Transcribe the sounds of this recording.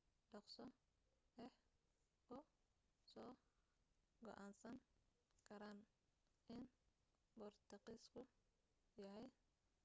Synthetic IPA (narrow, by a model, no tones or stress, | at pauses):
ɖɐqsɔ | ɛh | ʊ | sɔː | ɡɔ̰ʔaːnsɐŋ | kʰɐɾaːn | ɪn | bɔrt̪ʰɐqiːskʰʊ | jɐɦɛj